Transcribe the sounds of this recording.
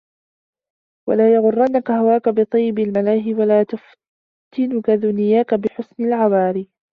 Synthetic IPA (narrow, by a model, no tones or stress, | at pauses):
walaːjaɣʊrˤːanːakahawaːkabɨt̪ˤijːɪbɪlmalaːɦɪwalaːt̪ʊf | t̪ʰɪnʊkaðʊnɪjaːkabɪħʊsnɪlʕabɑːɾi